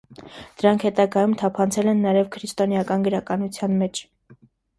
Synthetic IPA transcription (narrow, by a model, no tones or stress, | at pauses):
d̪̥əɾɑŋkʰhɛt̪ɑɡɑjumt̪ʰɑpʰɑnt͡sʰɛlɛnːɑjɛvkʰɾist̪ɔnjɑkɑnɡəɾɑkɑnut͡sʰjɑnmɛt͡ʃʰ